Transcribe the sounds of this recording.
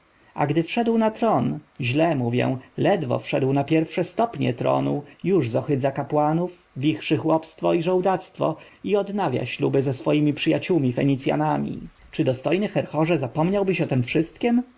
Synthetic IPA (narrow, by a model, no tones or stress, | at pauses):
a̰ɡd̪ɘfʂɛd̪wnat̪ɾɔnʑlɛmuvʲjɛ̰w̃lɛd̪vɔ̰fʂɛd̪wnapʲjɛɾfʂɛst̪ɔpɲɛ̰t̪ɾɔ̰nujuʐzɔxɘd̪zakapwanuf | vʲixʂɘxwɔpst̪fɔiʐɔwd̪at̪st̪fɔ̰ | iɔd̪navʲja̰ɕlubɘzɛsfɔjimʲipʂɘjat͡ɕuwmʲifɛɲit̪sʲja̰namʲḭ | t͡ʂɘd̪ɔst̪ɔjnɘxɛɾxɔʐɛzapɔmɲawbɘɕɔt̪ɛmfʂɘst̪kʲɛm